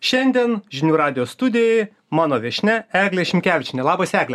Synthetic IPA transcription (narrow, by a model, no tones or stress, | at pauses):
ʃʲɛnʲd̪ʲiɛnʒʲɪnʲuːɾɑːd̪ʲɪjoːst̪ʊd̪ʲɪjɛɪ | mɑːnoːʋʲɛʃʲnʲɛæːɡlʲɛʃʲɪmʲkʲæːʋʲɪt͡ʃʲɪnʲɛlˠɑːbɐsæːɡlʲɛ